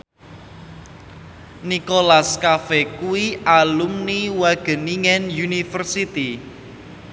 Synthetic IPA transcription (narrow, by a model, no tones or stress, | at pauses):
nikolaskafɛkuwiʔalumniwaɡ̥ə̤niŋɛnjunifərsit̪i